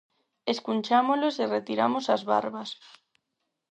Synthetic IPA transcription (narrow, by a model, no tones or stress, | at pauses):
eskunt͡ʃamoloseret̪iɾamosazβa̰ɾβas